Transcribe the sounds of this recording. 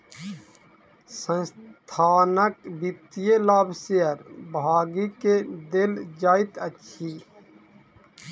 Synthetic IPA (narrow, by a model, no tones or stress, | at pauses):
sə̃nst̪ʰaːnəkbit̪ijelaːbseəɾbaːɡiked̪ɪld͡ʒaːɪt̪əʃʰiː